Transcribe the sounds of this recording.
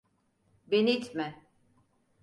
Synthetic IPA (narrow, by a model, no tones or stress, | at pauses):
benit̪ʰmɛ